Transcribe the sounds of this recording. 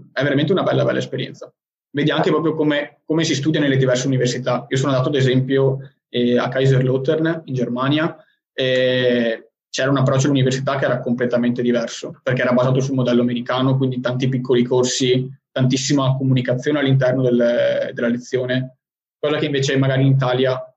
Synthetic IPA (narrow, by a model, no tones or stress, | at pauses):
ɛveɾament̪eunabɛlːabɛ̰lːaespeɾjɛ̰nt̪sa | veːd̪iaŋkepɾɔːp̬ɾjokomekomesist̪ud̪janelːed̪ivɛrseuniversit̪aiːosoːnoad̪aːt̪oad̪ezɛmpjo | ɛa̰kːajzerlot̪ernind͡ʒermanja | ɛ | t͡ʃɛːɾaunapːɾɔt͡ʃːoalːuniversit̪akːeɛːɾakomplet̪ament̪ed̪ivɛrsoperkeɛːɾabazaːt̪̬os̬ulmod̪ɛlːoameɾikaːnok̬wind̪it̪ant̪ipikːolikorsit̪ant̪isːimakomunikat̪sːjoːnealːint̪ɛrnod̪eld̪elːalet̪sːjoːne | kɔːzakeiɱveːt͡ʃemaɡaːɾinit̪̬aːlja